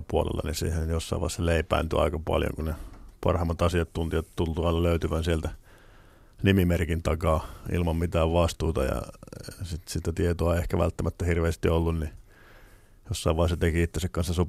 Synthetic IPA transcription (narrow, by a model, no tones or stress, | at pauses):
puolḛlːɑ̰nisḭːhenjosːɑ̰iʋɑ̰isɑleipæ̰int̪yɑ̰ikɑpɑ̰ljo̰ŋkunepɑ̰rhɑmːɑt̪ɑsiɑt̪t̪ːunt̪ijɑt̪t̪ult̪uɑinːɑløyt̪yʋænsielt̪æ | nimimerkint̪ɑkɑːḭlmɑmmit̪æːʋʋɑst̪uːt̪ɑjɑ̰sit̪sit̪æt̪iet̪oɑeiehkæʋæ̰lt̪ːæmæt̪ːæhirʋeːst̪iolːunni | josːɑiʋɑisːɑt̪ekiit̪ːesekkɑnsːɑsop